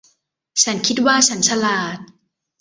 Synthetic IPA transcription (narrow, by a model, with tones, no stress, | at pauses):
t͡ɕʰa˦˥nkʰi˦˥t̪̚waː˥˩t͡ɕʰa˦˥nt͡ɕʰa˧laː˨˩t̪̚